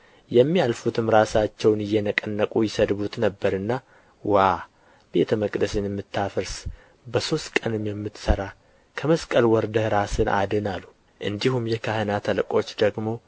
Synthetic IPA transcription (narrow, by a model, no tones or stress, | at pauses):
jɛmːijalfut̪ʰɨmɾasat͡ʃːɛwnɨjːɛnəkʼənːəkʼujɪsəd̪βut̪nəbːəɾɨnːa | wa | b̥e̞t̪ʰəməkʼd̪əsɨnjɛmːɨt̪ʰːafəɾs | bəso̞st̪kʼənɨmjɛmːɨt̪səɾa | kʰəməskʼəlwɔɾd̪əhɾasɨnʔa̰d̪ɨnalːu | ʔɨnd̪ihumjɛkʰahənat̪ʰəlkʼo̞t͡ʃːd̪əɡmo̞